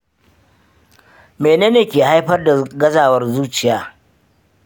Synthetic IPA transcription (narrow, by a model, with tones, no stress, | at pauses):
meː˨neː˦neː˨kʲeː˨ha˦jɸɐ˦rda˨ɡɐ˦zaː˨wɐ˦rzuː˦t͡ʃɪ˨jaː˦